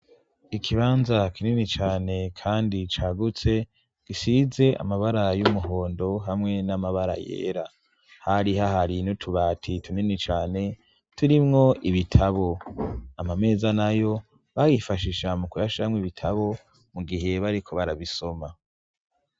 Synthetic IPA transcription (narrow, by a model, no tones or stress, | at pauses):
ikʰiβaːnzakininit͡ʃaːne̞kʰaːndit͡ʃaːɡut͡se̞ | ɡ̥isize̞ʔa̰maβaɾajumuɦo̞ːndo̞ɦamŋe̞namaβaɾa̰jḛːɾa | haɾiɦaɦaɾinutʰuβaːtʰituninit͡ʃaːne̞ | tuɾimŋo̞ʔiβitʰaβo̞amame̞ːzanajo̞ | βajifaʃiʃamukujaʃamŋwiβitʰaβo̞ | muɡiɦe̞βaɾikʰo̞βaɾaβiso̞ma